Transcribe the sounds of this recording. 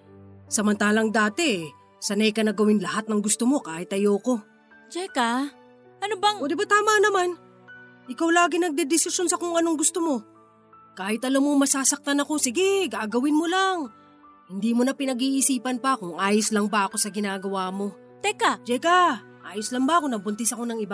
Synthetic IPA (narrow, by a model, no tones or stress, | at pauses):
sɐmɐnt̪aːlɐŋd̪aːt̪ɛʔ | sɐnɐjkɐnɐɡɐwɪnlɐhat̪̚nɐŋɡʊst̪omo̞kaːhɪt̪ːɐjoːko̞ | d͡ʒɛka | ʔɐnobaŋod̪ɪbat̪aːmanɐman | ʔɪkawlaːɡɪnɐɡ̚d̪ɛd̪ɪsɪʃjo̞nsɐkʊŋɐno̞ŋɡʊst̪omo̞ | kaːhɪt̪ɐlɐmoŋmɐsaːsɐk̚t̪anɐko̞sɪɡɛɡaʔɡɐwɪnmolaŋ | hɪnd̪iːmonɐpɪnɐɡiːʔisiːpɐnpɐʔɐkʊŋʔaːjoslɐŋbɐɐko̞sɐɡɪnaːɡɐwaːmo̞ | t̪ɛkad͡ʒɛkɐʔaːjoslɐŋbɐʔɐko̞nɐbʊnt̪ɪsɐko̞nɐŋɪba